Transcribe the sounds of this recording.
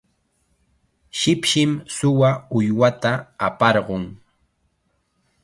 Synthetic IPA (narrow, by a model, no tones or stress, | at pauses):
ʃɪpʃɪmsʊwaʊjwat̪aːpɑɾɢʊŋ